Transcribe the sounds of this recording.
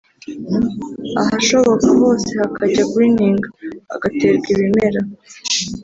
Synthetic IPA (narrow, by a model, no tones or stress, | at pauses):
aɦaʃo̞βo̞kaho̞ːse̞hakʰaɟakwiːniːŋɡaa̰ɡate̞ɾɡiβime̞ɾa